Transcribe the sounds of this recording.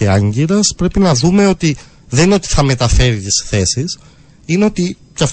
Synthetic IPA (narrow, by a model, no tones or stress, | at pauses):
eɐɲɟiɾɐspɾe̞pinɐðume̞o̞t̪i | ðenino̞t̪i̥θɐme̞t̪ɐfe̞ɾit̪isθe̞sis | ineo̞t̪i | cɐf